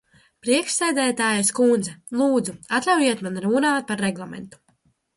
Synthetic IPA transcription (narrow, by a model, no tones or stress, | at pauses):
pɾiɛkʃsɛjd̪ɛːt̪aːjaskund̪zɛlˠuːd̪zuat̪lʲawiɛt̪manɾuːnaːt̪̚paɾːɛɡlˠamɛ̰nt̪u̥